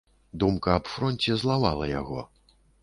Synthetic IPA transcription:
d̪umkɐːpfɾɔnʲt͡sʲɛzlˠava̰lˠɐja̰ɣɔ̰

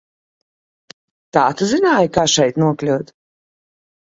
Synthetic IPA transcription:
t̪aːt̪uzinaːjkaːʃɛjt̪nuɔklʲuwt̪

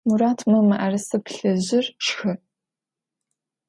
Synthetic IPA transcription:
muɾaːtʰmɐmɨʔɐrɐsɨpʰɬɐʑɪrʂxɨ

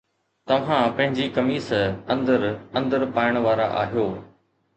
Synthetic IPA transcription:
t̪ɐʋ̤ãpɐ̃ɦɪ̃ɲd͡ʑikɐmiːsɐ̃nd̪əɾɐ̃nd̪əɾpaːɪəɽ̃ʋaːɾaʔa̰ːɦijoː

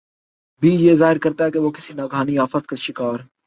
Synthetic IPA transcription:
bʱiːjeːzaːɦɪɾkɐɾt̪aɦɛkeʋoːkɪsinaːɡʱaːniaːfət̪kaʃɪkaːɾ

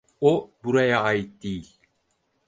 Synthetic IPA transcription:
obuɾajaːjɯt̪̚d̪̥ejilʲ

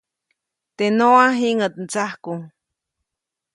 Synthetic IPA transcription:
t̪enoaɦiŋət̪̚nt͡sahkuŋ

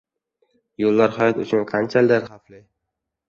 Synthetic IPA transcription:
jolːaɾχɒjat̪ʊt͡ʃʰʊnqʰɑnt͡ʃʰalɪd̪aɾχaflɪ

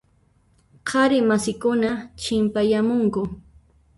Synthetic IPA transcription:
qʰɑɾɪmasɪkʊnat͡ʃɪmpajamʊŋkʊ

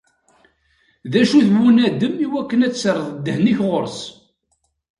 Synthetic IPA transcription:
ðæʃuθwunæd̪əmiwækːənæt͡sːsərˤːəðˤd̪ːəhniçʁʊɾs

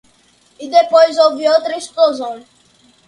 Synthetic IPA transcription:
id̪epojzoviot̪ɾist̪ozõj

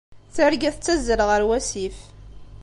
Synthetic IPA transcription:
θəɾɡæθt͡sːæzːəɾʁəɾwæsif

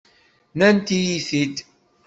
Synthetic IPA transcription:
nænt̪ijiθid̪

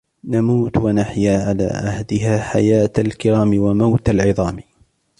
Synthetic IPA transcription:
namuːt̪wanaħjaːʕala̰ːʔahd̪ɪɦaːħa̰jaːt̪alkɪɾaːmɪwamawt̪alʕɪðˤɑːm

